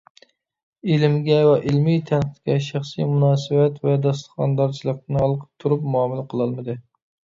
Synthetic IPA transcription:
elɪmɡʲɛwɛʔelmijt̪ʰɛnqt̪kʲɛʃæχsḭjmunɑːsɨvɛt̪vɛd̪ɑst̪ə̥χɑnd̪ɑɾt͡ʃʰilˠəq̪̚nɨɑlˠqʰə̥p̚t̪ʰuɾupmuɑːmɨlˠɨqʰəlˠɑlˠmɨd̪ɨ

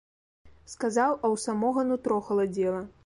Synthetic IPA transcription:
skazawɐwsamɔɣɐnut̪ɾɔxɐlˠad͡zʲɛlˠɐ

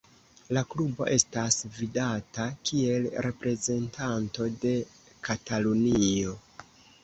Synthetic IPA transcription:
laklubo̞̰ʔe̞stasvidatakie̞lɾe̞pɾe̞ze̞ntʰanto̞de̞ | katalunio̞

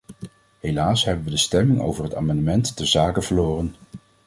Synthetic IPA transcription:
ɦelaːsɦɛbənʋədəstɛmɪŋo̰wvəɹɦəta̰ːmɑndəmɛntːəzaːkəv̥əɹloːrən

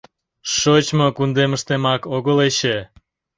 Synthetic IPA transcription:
ʃot͡ɕmokund̪eməʃt̪emɑkoɣəleɕe

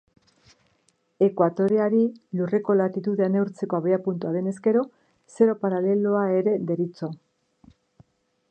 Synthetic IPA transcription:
e̞kwat̪o̞ɾeaɾilure̞ko̞lat̪it̪uðeane̞uɾt͡se̞ko̞aβeapunt̪uaðe̞ne̞ske̞ɾo̞ | se̞ɾo̞paɾale̞loae̞ɾe̞de̞ɾit͡so

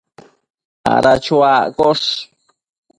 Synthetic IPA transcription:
a̰ɾat͡ʃuakos

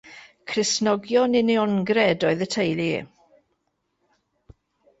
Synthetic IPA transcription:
kʰrɪsnɔɡjɔnɪniɔnɡrɛdɔɨðətʰejlḭ

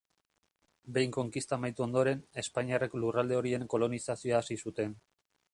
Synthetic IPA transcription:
be̞jŋko̞ŋkist̪amajt̪uo̞nd̪o̞ɾe̞ne̞spaɲiareklurald̪e̞o̞ɾie̞ŋko̞lo̞nisasio̞aːsisut̪e̞n

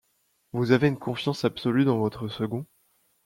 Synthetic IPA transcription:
vuzaveynkɔ̃fjɑ̃sapsɔlyd̪ɑ̃vɔt̪χəsəɡɔ̃

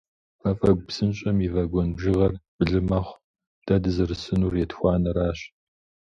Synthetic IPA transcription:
ɐfʼɐɡ̚ʷpsɨnɕʼɐmivɐɡʷɔnbʒɪʁɐrb̥ɨɮɨmɐχʷ | d̥adɨzɐrɨsɨnuːrjɛtxʷɑːnɐɾaːɕ

